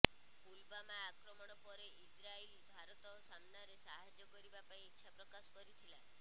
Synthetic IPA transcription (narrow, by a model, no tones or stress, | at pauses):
kulbamaːkɾɔmɔɽ̃ɔpɔɾeʔid͡ʒɾailbʱaɾɔt̪ɔsamnaɾesaɦad͡ʒɔkɔɾibapaĩitːʃʰapɾɔkasɔ̥kɔɾit̪ʰila